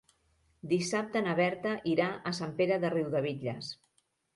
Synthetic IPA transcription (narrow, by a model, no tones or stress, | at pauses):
d̪isap̚t̪ənəβɛɾt̪əʔiɾaʔəsampeɾəðəriwðəβ̞iʎəs